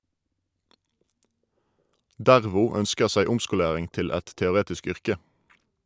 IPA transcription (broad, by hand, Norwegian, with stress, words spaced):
ˈdæʁʋʊ ˈœnskəʁ ˈsæɪ ˈʊmskʊˌleːʁɪŋ ˈtɪl ˈɛt tɛʊˈʁeːtɪsk ˈʏʁkə